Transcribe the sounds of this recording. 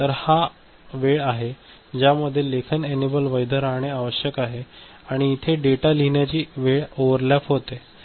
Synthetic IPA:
t̪əɾha | ʋeɭaɦe | d͡ʑjaməd̪ʱːjelekʰənenibəlʋəjd̪ʱəɾaɳjeaʋəɕjəkaɦe | aɽ̃iːt̪ʰeɖeʈaliɳjat͡ɕiːʋeɭoʋəɾlapɦot̪e

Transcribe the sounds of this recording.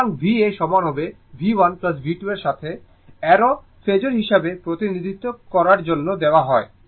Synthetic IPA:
ŋbʱieʃɔmanobe | bʱiwanplas̬bʱiʈueɾʃat̪ʰe | ɛɾo | fʰed͡ʑoɾɦiʃabepɾot̪inid̪ʱit̪ːokɔɾaɾd͡ʑonːod̪eoaɦɔe

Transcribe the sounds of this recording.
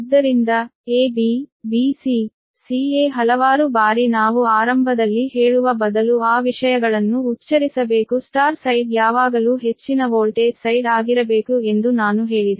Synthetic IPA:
id̪ːɐɾind̪ɐeːbibiːsi | siːeːɦɐlɐʋaːɾubaːɾinaːʋuaːɾɐmbʱɐd̪ɐlːihɦe̞ːɭuʋɐbɐd̪ɐluaːʋiʂɐjɐɡɐɭɐnːuːtːt͡ʃɐɾisɐbeːkusʈaːɾsɐjɖjaːʋaːɡɐluːɦe̞t͡ʃːinɐʋoːlʈeːsɐjɖaːɡiɾɐbe̞ːkue̞nd̪unaːnuɦe̞ːɭid̪e

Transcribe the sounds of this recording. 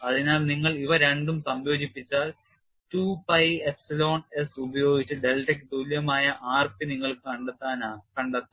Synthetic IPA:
ɐðinaːlniŋːɐɭiʋɐɾe̞ɳɖumsɐmjo̞ːd͡ʑipːit͡ɕːaːl | tuːpɐjepsilo̞ːɳesubɐjo̞ːɡit͡ɕːɨɖelʈek̬ʲːt̪uljɐmaːjɐʔaːrpiniŋːɐɭkɨkɐɳɖɐt̪ːaːnaːkɐɳɖɐt̪ːu

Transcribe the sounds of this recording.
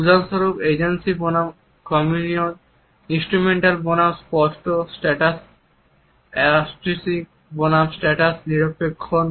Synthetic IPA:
bud͡ʑansoɾubed͡ʑensibonam | kɔmunion | insʈɾumeɳʈalbonamspɔsʈosʈɛʈas | ɛasʈɾisik | bonamsʈɛʈasniɾopekʰːon

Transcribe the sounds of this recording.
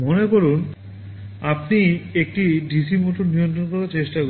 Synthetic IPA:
monekoɾun | apniek̚ʈiɖisimoʈonijont̪ɾonkoɾaɾt͡ɕeʃʈako

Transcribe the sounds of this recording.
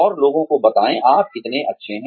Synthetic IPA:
ɔːɾloːɡõkobɐt̪aːẽʔaːp̚kɪt̪neʔɐtːʃʰeɦɛ̃

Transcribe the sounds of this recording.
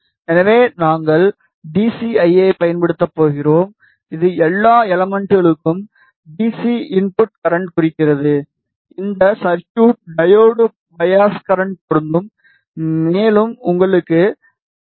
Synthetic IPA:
ɛnɐʋeːnaːŋɡɐɭ | ɖiːsiɐɪeɪpɐjɐnpɐɽɯt̪ːɐpːoːɣɪroːm | ɪðɯɛlːaːɛlɐmɛɳʈɯɣɐɭɯkːɯm | ɖiːsiɪnpʊʈ̚kɐɾɐɳʈkʊrɪkːɪrɐðɯ | ɪnd̪ɐsɐɾt͡ʃuːʈ̚ɖɐjoːɽɯ | bɐjaːskɐɾɐɳʈ̚pɔɾɯnd̪ɯm | meːlɯmʊŋɡɐɭɯkːɯ

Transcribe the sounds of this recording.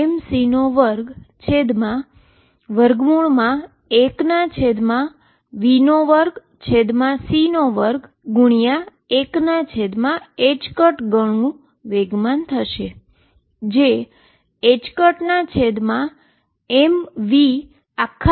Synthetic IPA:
msinoʋəɾɡt͡ʃʰed̪mã | ʋəɾɡmuɭmã | eknat͡ʃʰed̪mã | ʋinoʋəɾɡ | t͡ʃʰed̪mãsinoʋəɾɡ | ɡuɳ̃ija | eknat͡ʃʰed̪mãet͡ʃkəʈɡəɳ̃ũ | ʋeɡmant̪ʰəʃe | d͡ʒe | et͡ʃkəʈnat͡ʃʰed̪mã | emʋi | akʰː

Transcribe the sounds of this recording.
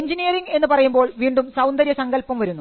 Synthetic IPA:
ɲd͡ʑinijɐriŋɡe̞nːɨpɐrɐjumboːɭʋiːɳɖumsɐwnd̪ɐɾjɐsɐŋɡɐlpːɐmʋɐɾunːu

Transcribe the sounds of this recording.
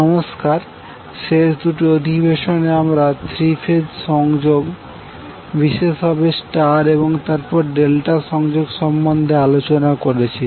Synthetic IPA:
ɔmoskaɾ | ʃeʃd̪uʈiod̪ʱibeʃoneamɾat̪ʰɾifʰed̪ʃɔŋd͡ʑoɡ | biʃeʃɦɔbesʈaɾeboŋt̪aɾpɔɾɖelʈaʃɔŋd͡ʑoɡʃɔmbond̪ʱealot͡ɕonakoɾet͡ɕʰi

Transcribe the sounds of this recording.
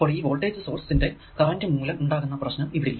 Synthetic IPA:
pːoːɭiːʋoːlʈeːsɨso̞ːrssinde̞ | kɐrɐndɨmuːlɐmuɳɖaːɣunːɐprɐɕnɐmiʋiɽilːɐ

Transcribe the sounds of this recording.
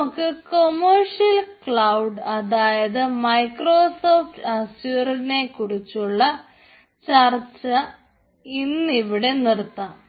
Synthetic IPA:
kːɨko̞mɐrʂijɐlkɭɐwɖɐðaːjɐðɨmɐjkro̞ːso̞ːfʈɐsjurne̞kuɽit͡ɕːuɭːɐ | t͡ɕɐrt͡ɕːɐ | inːiʋiɽe̞nirt̪ːaː

